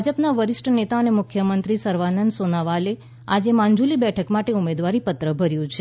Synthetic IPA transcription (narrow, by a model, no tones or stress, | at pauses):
d͡ʒəpnaʋəɾɪsʈʰənet̪aənemʊkʰjəmənt̪ɾisəɾʋanənd̪sonaʋale | ad͡ʒemaɲd͡ʒulibɛʈʰəkmaʈeumed̪ʋaɾipət̪ɾəbʱəɾjũt͡ʃʰe